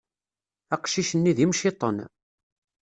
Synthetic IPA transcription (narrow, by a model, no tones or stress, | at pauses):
æqʃiʃənːiðimʃit̪ˤə̰n